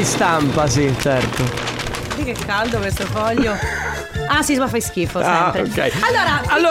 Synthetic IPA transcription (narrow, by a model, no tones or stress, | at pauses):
ist̪ampas̬it͡ʃɛɾt̪o | d̪ikekkːald̪okwest̪ofɔʎːo | asismafajsk̟iːfosɛmpɾekɛ̰jalːoːɾaalːo